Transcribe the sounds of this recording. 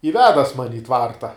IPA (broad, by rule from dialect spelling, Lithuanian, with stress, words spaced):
ɪ ˈʋʲæːdɐs ˈmɑːnʲɪ ɪ ˈtʋɐrtɐ